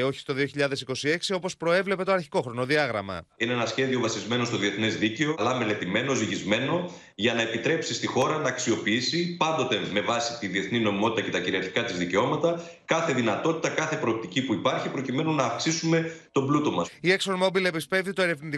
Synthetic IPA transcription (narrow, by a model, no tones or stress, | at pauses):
o̞çi̥st̪o̞ðioçiʎɐðe̞siko̞sie̞ksio̞po̞spɾo̞e̞vle̞pe̞t̪o̞ɐɾçiko̞xɾo̞no̞ðiɐɣɾɐ̰mɐ̰ineenɐsçe̞ðio̞vɐsizme̞no̞st̪o̞ðie̞θnezðice̞olɐme̞le̞t̪ime̞no̞ziʝizme̞no̞ | ʝɐnɐe̞pit̪ɾe̞psist̪ixo̞ɾɐnɐːksio̞piisipɐnd̪o̞t̪e̞me̞vɐsit̪iðie̞θnino̞imo̞t̪it̪ɐce̞t̪ɐciɾiɐɾçi̥kɐt̪izðice̞o̞mɐt̪ɐ | kɐθe̞ðinɐt̪o̞t̪i̥t̪ɐkɐθe̞pɾo̞ːp̚t̪icipuipɐɾçipɾo̞cime̞nunɐːfksisume̞t̪o̞blut̪o̞mɐsieksoɾmo̞bile̞pispe̞vðit̪oe̞ɾe̞vnit̪i